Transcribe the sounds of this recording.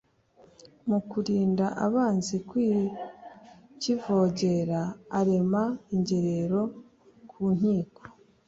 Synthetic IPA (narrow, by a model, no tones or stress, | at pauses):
mukuɾiːndaʔaβaːnzikwi | civo̞ːɟe̞ɾaːɾe̞maiɲɟe̞ɾeɾo̞ | kʰuːn̥iːko̥